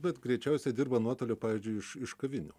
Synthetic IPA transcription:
bʲɛt̪ɡɾʲɛɪt͡ʃʲɛʊsʲɛdʲɪɾbɐnuɔt̪oːlʲoːpɑːʋʲiːzʲd͡ʒʲʊɪɪʃɪʃkɐʋʲɪnʲʊ̰

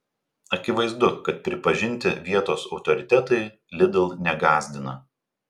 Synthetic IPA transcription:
ɐkʲɪʋɐɪzd̪ʊkɐt̪̚pʲɾʲɪpɐʒʲɪnʲˑt̪ʲɪʋʲiɛt̪oːsɒʊt̪ɔɾʲɪt̪ʲɛt̪ɐɪ | lʲɪd̪ɐlˠnʲɛɡɑːzʲd̪ʲɪnɐ

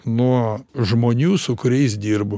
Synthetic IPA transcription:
nuɔʒmoːnʲuːsʊkʊɾʲɛɪs̬d̪ʲiːɾbʊ

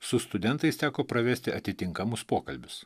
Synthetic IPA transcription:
sʊst̪ʊd̪ʲɛnt̪ɐɪst̪ʲæːkoːpɾɐʋʲæːsʲt̪ʲɪɐt̪ʲɪt̪ʲɪŋkɐmʊspoːkɐlʲbʲʊs

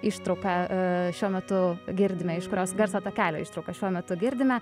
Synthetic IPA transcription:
iːʃt̪ɾɐʊkɐʃʲuɔmʲɛt̪ʊɡʲɪɾʲd̪ʲɪmʲɛɪʃkʊɾʲoːsɡɐɾsɐːt̪oːkʲæːlʲo̰ːiːʃt̪ɾɐʊkɐʃʲuɔmʲɛt̪ʊɡʲɪɾʲd̪ʲɪmʲɛ

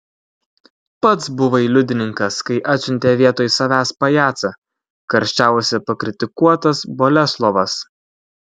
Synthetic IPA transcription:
pɐt̪sbʊʋɐiːlʲʊd̪ʲɪnʲɪŋkɐskɐɪʔæːt̪ʲsʲʊnʲt̪ʲeːʋʲiɛt̪oːjsɐʋʲæːspɐjæːt̪sɐ | kɐɾʲʃʲt͡ʃʲæˑʊsʲɛpɐkɾʲɪt̪ʲɪkuɔt̪ɐsboːlʲɛslˠɔʋɐs

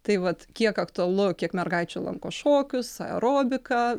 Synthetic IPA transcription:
t̪ɐɪʋɐt̪kʲiɛkɐkt̪ʊɐlˠʊkʲiɛkmʲɛrɡɐɪt͡ʃʲʊlˠɐ̰ŋkoːʃoːkʲʊsɐɛ̰ɾoːbʲɪkɐ

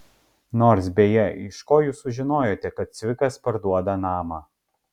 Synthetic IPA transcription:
noːɾs̬bʲeːjɛɪʃkoːjuːsʊʒʲɪnoːjoːt̪ʲɛkɐt̪̚sʲʋʲɪkɐspɐɾd̪uɔd̪ɐnɑːmɑː

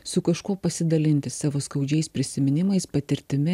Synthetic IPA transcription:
sʊkɐʃkuɔpɐsʲɪd̪ɐlʲɪnʲt̪ʲɪsɑːʋoːskɐʊd͡ʒʲɛɪspʲɾʲɪsʲɪmʲɪnʲɪmɐɪspɐt̪ʲɪɾʲt̪ʲɪmʲɪ

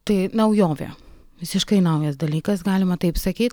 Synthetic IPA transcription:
t̪ɐɪnɐʊjoːʋʲḛː | ʋʲɪsʲɪʃkɐɪnɐʊjɛsd̪ɐlʲiːkɐsɡɑːlʲɪmɐt̪ɐɪpsɐkʲiːt̪̚ʲ

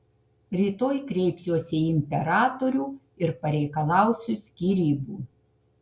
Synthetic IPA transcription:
ɾʲiːt̪oːjkɾʲɛɪpʲsʲjoːsʲɛɪmʲpʲɛɾɑːt̪oɾʲuː | ɪɾpɐɾʲɛɪkɐlˠɑˑʊsʲusʲkʲiːɾʲiːbuː

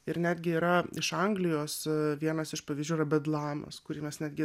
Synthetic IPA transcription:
ɪɾnʲæːd̪ʲɡʲɪiːɾɐɪʃɐŋɡlʲɪjoːsʋʲiɛnɐsɪʃpɐʋʲizd͡ʒʲuːɪɾɐbʲɛd̪lˠɑːmɐ̰skʊɾʲiːmʲɛsnʲæːd̪ɡʲɪ

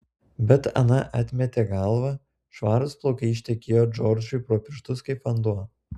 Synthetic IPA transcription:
bʲɛt̪ɐ̰nɐʔɑːt̪ʲmʲɛt̪ʲeːɡɐlˠʋɐ | ʃʋɑːɾʊsplˠoːkɐiʃʲt̪ʲɛkʲeːjoːd͡ʒɔɾʲd͡ʒʲʊɪpɾoːpʲɪʃt̪ʊskɐɪpɐnd̪uɔ

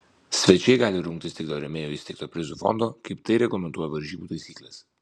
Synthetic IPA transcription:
sʲʋʲɛt͡ʃʲɛɪɡɑːlʲɪɾʊŋk̚t̪ʲɪst̪ʲɪkd̪oːɾʲɛmʲeːjoːɪst̪ʲɛɪkt̪oːpʲɾʲɪzufɔ̰nd̪oːkɐɪpt̪ɐɪɾʲɛɡlˠɐmʲɛnt̪uɔjɛʋɐɾʲʒʲiːbuːt̪ɐɪsʲiːklʲɛs

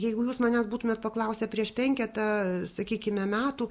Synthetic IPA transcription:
jɛɪɡʊjuːsmɐnʲæsbuːt̪ʊmʲeɛt̪̚pɐklˠɐʊsʲɛpʲɾʲiɛʃpʲɛŋʲkʲɛt̪ɐsɐkʲiːkʲɪmʲɛmʲæːt̪uː

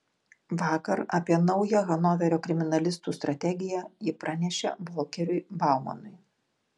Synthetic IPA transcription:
ʋɑːkɐɾɐpʲiɛnɐʊjɛɣɐnɔːʋʲɛɾʲoːkɾʲɪmʲɪnɐlʲɪst̪uːst̪ɾɐt̪ʲɛɡʲɪjæjɪpɾɑnʲɛʃʲḛblˠɔːkʲɛɾʲʊɪbɑˑʊmɐ̰nʊɪ

